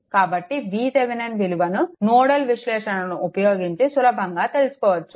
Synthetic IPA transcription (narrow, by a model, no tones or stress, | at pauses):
kaːbɐʈːiʋiːseʋenɐnʋiliʋɐnunoːɽɐlʋiʃlɛːʂɐnɐnuʔupɐjoːɡiɲt͡ʃisulɐbʱɐŋɡaːt̪elusu̥kɔːʋɐt͡ʃːu